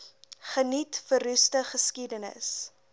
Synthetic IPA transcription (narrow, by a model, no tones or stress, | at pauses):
χənitfəɾʉstəχəskidənə̰s